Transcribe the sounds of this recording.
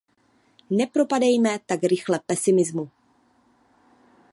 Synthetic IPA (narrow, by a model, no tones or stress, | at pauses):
nɛpɾo̞padɛjmɛt̪aɡɾɪxlɛpɛsɪmɪzmu